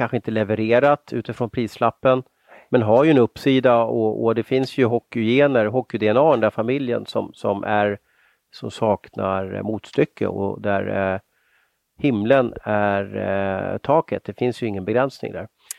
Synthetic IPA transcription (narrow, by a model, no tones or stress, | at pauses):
kʰanɧəɪnt̪əlɛvəɾeːɾat̪ʰʉ̟ːt̪ɪfɾɔnpʰɾiːslapːən | mɛnɦaɾjɵɛnɵpːsiːd̪aɔɔ̰d̪ɛfɪnsjɵɦɔkːʏjeːnəɾɦɔkːɪd̪ɛɛnɑːnd̪æɾfamɪljə̰nsɔmsɔmʔæɾ | sɔmsɑːknaɾmuːt̪st̪ʏkʰːə̰ɔ̰d̪æɾ | hɪmlənæɾt̪ʰɑːkət̪̚d̪ɛfɪnsjɵɪŋːənbɛɡɾɛnsnɪ̰ŋd̪æ̰ɾ